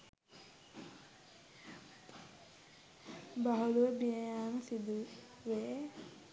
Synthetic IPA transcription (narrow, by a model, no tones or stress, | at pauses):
baɦuluʋəbijəjaːməsid̪u | ʋe